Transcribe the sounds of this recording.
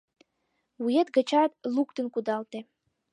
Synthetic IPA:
wujet̪ɡə̆t͡ɕɑt̪lukt̪ənkud̪ɑlt̪e

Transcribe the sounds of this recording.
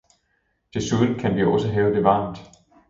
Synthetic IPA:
d̥e̝suðˠn̩kʰænʋioɒ̽səɦɛːʊd̥e̝ʋɑ̈ːmd̥

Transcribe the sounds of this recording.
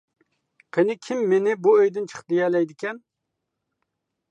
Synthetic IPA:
qʰenɪkʲʰimːenɪbuøjd̪ɪnt͡ʃʰə̥χd̪ejɛlɛjd̪ɪkʲɛn

